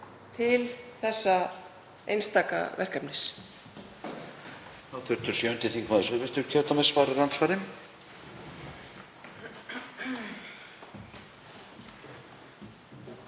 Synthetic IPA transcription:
t̪ʰɪlθɛsːa | ḛjnst̪aːka̰vɛ̰r̥kapnɪs | θawt̪ʰʏɾ̥t̪ʏɾ̥sjœːʏnt̪ɪθiŋkʰmaːðʏsʏvɪst̪ʏɾcʰœwt̪amɛsvaːɾaɾant̪sfaːɾɪm

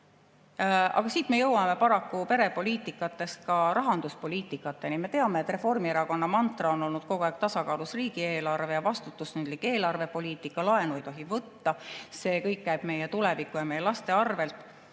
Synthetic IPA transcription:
ɑ̰ɡ̥ɑsiːt̪me̞jɤwːɑme̞pɑɾɑkːupe̞ɾe̞po̞lʲiːt̪ˑikːˑɑt̪ːˑe̞st̪̚kɑɾɑɦɑnd̪uspo̞lʲiːt̪ːˑikːˑɑt̪ːˑe̞nime̞t̪e̞ɑme̞t̪ːˑre̞fo̞rmie̞ɾɑko̞nːɑmɑnt̪rɑo̞nːo̞lnud̪̥ko̞ɡ̥oæɡ̥̚t̪ɑsɑkɑːlusriːɡie̞ːlɑrve̞jɑvɑst̪ut̪ːˑusnynd̪like̞ːlɑrve̞po̞liːt̪ːˑikːˑɑlɑe̞nuejt̪oɦivɤt̪ːɑse̞ːkɤjkːæjb̥me̞jet̪ule̞vikːˑujɑmejelɑst̪eɑrve̞lt̪ˑ

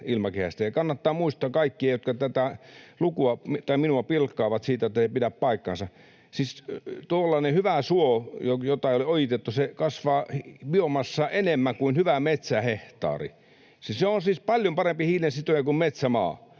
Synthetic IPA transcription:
ilmɑkehæ̰st̪æjɑkɑnːɑt̪ːɑːmuist̪ˑɑːkɑikːiɑjot̪kɑt̪æt̪ælukuɑmit̪ɑiminuɑpilkːɑːʋɑt̪siːt̪æet̪ːæsepidæppɑikːɑ̰nsɑ | sist̪uolːɑˑːnehyʋæsuojojot̪ɑioliojit̪et̪ːusekɑsʋɑːhipiomɑsːɑʔenemːæŋkuinhyʋæmet̪sæheht̪ɑ̰ːrḭ | siseonsiːspɑljompɑrempihiːlensit̪ojɑkummet̪sæmɑ̰ː

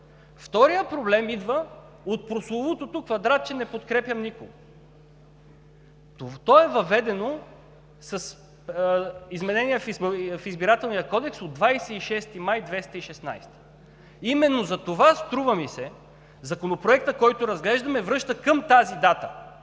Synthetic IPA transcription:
ft̪ɔɾijəpɾoblɛmid̪və | ot̪̚pɾoslˠovot̪ot̪ukvɐd̪ɾat̪̚t͡ʃɛnɛpot̪kɾɛpʲjɐmnikoɡo | t̪ɔɛvɐvɛd̪ɛno | sɐs | izmɛnɛniɛfifizbiɾat̪ɛlˠnijəkɔd̪ɛksod̪vajsɛiʃɛst̪imajd̪vɛst̪əiʃɛsna̰jst̪ə̥ | imɛnːozɐt̪ovast̪ɾuvəmisɛ | zɐkonopɾoɛk̚t̪əkɔjt̪oɾɐzɡlɛʒd̪ɐmɛvɾɤʃt̪əkəmt̪azid̪at̪ə

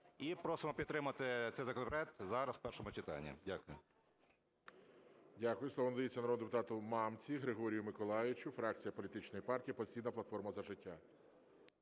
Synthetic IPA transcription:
ipɾɔsɔmɔpʲid̪t̪ːɾɪmɐt̪ɪt̪ɛjzɐkɔnɔpɾɛt̪zɑɾɐsw̥pɛrʃɔmʊt͡ʃɪt̪ɑ̰nʲːḭdʲakʊjʊ | dʲakʊjʊsˠɔʋɔnd̪ʲit͡sʲːɐnɾɔd̪d̪epʊt̪ɑt̪ʊmɑmt͡sʲiɦɾɪɦɔɾʲijʊmɪkɔlˠɑjɪt͡ʃʲʊfɾɑk̚t͡sʲijɐpɔlʲit̪ɪt͡ʃnɔjipɑrtʲijipɔ̥t͡sʲijnɐplˠɐt̪fɔrmɐzɐʒɪtʲːa

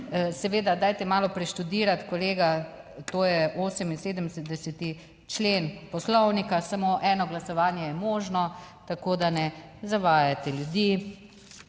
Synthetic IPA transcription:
sɛʋeːd̪ad̪aːjt̪ɛmaːlɔpɾɛʃt̪ud̪iːɾat̪kɔleːɡat̪oːjɛʔoːsəminseːd̪əmsɛd̪ɛsɛt̪i | t͡ʃleːnpɔslɔwnikasamoʔɛːnɔɡlasɔʋaːnjɛjɛmoːʒnɔt̪akoːd̪anɛzaʋaːjat̪ɛljud̪iː

